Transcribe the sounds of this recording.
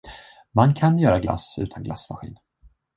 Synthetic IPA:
mankʰanjœːɾaɡla̰sʉ̟ːt̪ʰanɡla̰smaɧḭːn

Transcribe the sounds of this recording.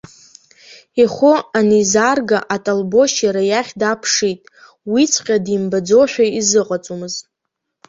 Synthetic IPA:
iχʷoanizarɡaʔatʼalbo̞ʃjaɾajaχʲdapʰʂitʼ | wit͡sʰqʲʼadimbad͡zo̞ħʷᶣaizɨqʼat͡sʼumɨztʼ

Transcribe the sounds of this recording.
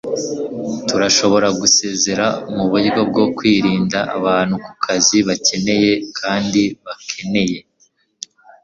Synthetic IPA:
tuɾaʃo̞βo̞ɾaɡuse̞ːze̞ɾamuβujɡo̞b̚ɡo̞kwiːɾiːndaʔa̰βaːn̥huku̥kʰaziβace̞ne̞je̞kʰaːndiβakʰe̞ne̞je̞

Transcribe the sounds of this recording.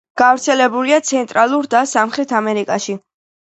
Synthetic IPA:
ɡ̥avɾt̪sʰɛlɛbuliat̪sʰɛnt̪ʼɾalˠuɾd̪asamχɾɛt̪ʰamɛɾikʼaʃi

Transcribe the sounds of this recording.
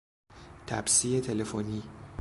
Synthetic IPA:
t̪ʰæbsiːet̪ʰelefoniː

